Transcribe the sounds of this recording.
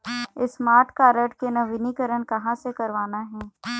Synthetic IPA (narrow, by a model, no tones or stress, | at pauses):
ɪsmaːɾʈkaɾɐʈkenɐʋɪnikəɾənkɐɦãsekɐɾʋaːnaɦɛ̃ː